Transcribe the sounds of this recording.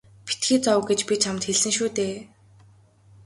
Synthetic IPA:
pi̥t̪ɡiːt͡sɔwɡet͡ɕpit͡ɕʰamt̪xeɮsɘ̆ŋʃuːt̪eː

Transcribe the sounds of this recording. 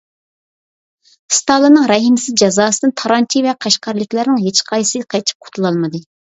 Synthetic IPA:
st̪ɑlˠɨnɨŋɾɛɦimɪsɪzd͡ʒɑzɑːsɨd̪ɨnt̪ʰɑɾɑnt͡ʃʰivɛqʰɑʃqɑɾlˠɪkʲlæɾnɪŋɦet͡ʃqʰɑjsɨqʰɑjt͡ʃʰi̥p̚qʰʊ̥t̪ʰulˠɑlˠmɨd̪ɨ

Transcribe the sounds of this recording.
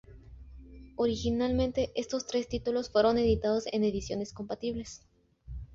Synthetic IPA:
o̞ɾixinalmẽ̞nt̪e̞ʔe̞st̪o̞st̪ɾe̞st̪it̪ulo̞sfwe̞ɾo̞ne̞ðit̪að̞o̞se̞̰ne̞ðisjo̞ne̞sko̞mpat̪iβle̞s

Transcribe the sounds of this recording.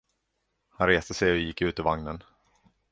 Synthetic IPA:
hanɾeːst̪əsɛjɔjɪkːʉ̟ːt̪əvaŋnən

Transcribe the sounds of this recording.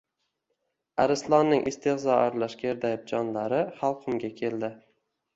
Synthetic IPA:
aɾɪslˠɒnːɪŋʔɪst̪ɪχzɒaɾlaʃkʲʰeɾd̪ajɪp̚d͡ʒɒnlaɾɪχalˠqʰʊmɡʲakʲʰe̞ld̪ɪ

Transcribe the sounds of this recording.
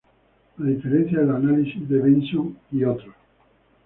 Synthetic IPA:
aðifeɾẽn̟θjaðelanalisizðeβensuŋiot̪ɾo

